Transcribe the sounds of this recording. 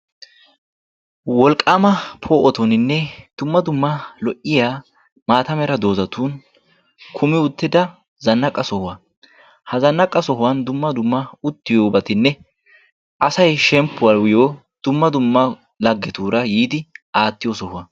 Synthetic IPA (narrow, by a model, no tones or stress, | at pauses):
wɔlkʼːamɐpʰoːʔɔt̪ɔnɪnːɛd̪̥ʊmːɐd̪ʊmːɐlɔʔːɪjaː | maːt̪ɐmɛɾɐd̪o̞ːzɐt̪uːn | kʰʊmɪʊt̪ːɪd̪ɐ | zɐnːɐkʼɐsɔhʊwɐ | hɐzɐnːɐkʼːɐsɔɦʊwɐnd̪ʊmːɐd̪ʊmːɐʊt̪ːɪjoːbɐt̪ɪnːɛ | ʔɐsɐjʃɛmpːʊwɐɾwɪjoː | d̪̥ʊmːɐd̪ʊmːɐ | lɐɡːɛt̪uːɾɐjiːd̪ɪʔaːt̪ːɪjɔsɔhʊwɐ